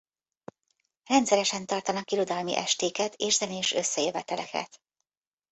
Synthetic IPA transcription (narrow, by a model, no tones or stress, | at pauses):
rɛnt̪sɛɾɛʃɛnt̪ɒrt̪ɒnɒkiɾo̞d̪ɒlmḭʔɛʃt̪eːkɛt̪eːʒzɛneːʃøsːɛjøvɛt̪ɛlɛ̰kɛ̰t̪